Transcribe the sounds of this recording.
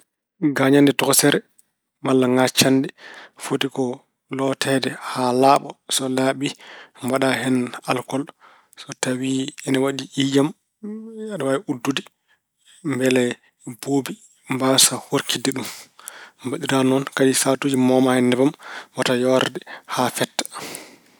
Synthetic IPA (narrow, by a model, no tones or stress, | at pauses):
ɡaɲandɛtɔksɛɾɛ | malːaŋat͡ʃːandɛfotikɔ | lɔtʰɛdɛhalaːɓɔsɔlaɓimbaɗahɛnalkɔl | sɔtawiɛnawaɗiʔijam | jaɗɔwaʔudːudi | mbɛlɛ | boːbi | mbasahoɾkidɛɗum | baɗiɾanɔnkaɗisatuːd͡ʒimɔmahɛndɛbamwatajɔɾdɛhafɛtːḁ